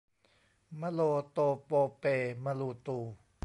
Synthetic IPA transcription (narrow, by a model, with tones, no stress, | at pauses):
ma˧loː˧t̪oː˧poː˧peː˧ma˧luː˧t̪uː˧